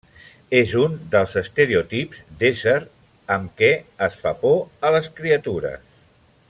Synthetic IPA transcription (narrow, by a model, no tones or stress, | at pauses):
ezund̪əlˠzəst̪əɾeut̪ipz̥d̪ezəɾ | əmkɛəsfapoələskɾiət̪uɾə̰s